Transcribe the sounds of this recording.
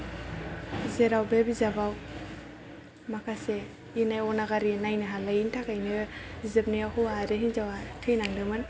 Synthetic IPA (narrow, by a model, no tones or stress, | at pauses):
zeɾawbebizabaw | makʰase | inajɔnaɡaɾinajnɯɦalaintʰakajnɯizɯp̚niakʰuaɾɯɦinzawatʰɯjnaŋdɯmɯn